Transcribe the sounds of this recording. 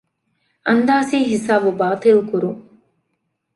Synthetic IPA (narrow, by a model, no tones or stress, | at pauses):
ɐnd̪aːsiːɦisaːbubaːt̪ɐlukuɾuŋ